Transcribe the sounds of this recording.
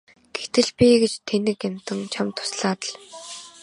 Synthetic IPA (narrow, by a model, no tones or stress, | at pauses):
ɡ̥et̪ɘ̆ɮpʲiɡet͡ɕt̪ʰːenɘ̆kjam̥t̪ə̆ŋt͡ɕʰamt̪ʰʊ̥sɮaːt̪ə̆ɮ